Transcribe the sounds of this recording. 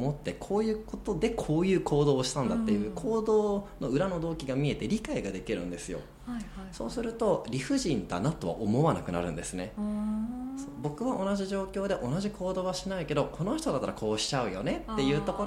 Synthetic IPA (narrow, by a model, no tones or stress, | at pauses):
mo̞t̪ːe̞kʰo̞ːjɯ̟ːko̞t̪o̞d̪e̞kʰo̞ːjɯ̟ːkʰo̞ːd̪o̞ːɕi̥t̪ãnd̪at̪ːe̞jɯ̟ːkʰo̞ːd̪o̞ːno̞ɯ̟ɾano̞d̪o̞ːkʲiɡamʲie̞t̪eɾʲikaiɡad̪e̞kʲiɾɯ̟̰̃nd̪esɨjo̞̰ | so̞ːsɨɾɯ̟t̪o̞ɾʲiɸɯ̟ʑĩnd̪a̰nat̪o̞βa̰ʔomo̞βana̰kɯ̟na̰ɾɯ̟̰̃nd̪e̞sɨne̞ | soːbo̞kɯ̟βaʔo̞naʑiʑo̞ːkʲo̞ːd̪e̞ʔo̞naʑikʰo̞ːd̪o̞ːβaɕinaike̞d̪o̞kʰo̞no̞çi̥t̪od̪at̪ːaɾakʰo̞ːɕi̥t͡ɕaɯ̟jo̞ne̞t̪ːe̞jɯ̟ːt̪o̞ko